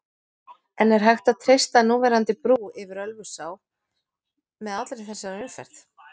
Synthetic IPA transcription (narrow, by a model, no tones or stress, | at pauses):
ɛnɛɾ̥ɦajxt̪aðt̪ʰɾejst̪anuːvɛɾant̪ɪpɾuːɪvɪɾœlvʏsaːw | mɛðat̪lɾɪθɛsːaɾaʏmfɛ̰r̥t̪